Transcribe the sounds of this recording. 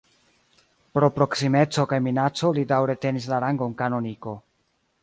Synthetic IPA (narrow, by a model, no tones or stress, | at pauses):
pɾo̞pɾo̞ksime̞t͡so̞kajminat͡so̞lidawɾe̞te̞nis̬laɾaŋɡo̞ŋkano̞niko̞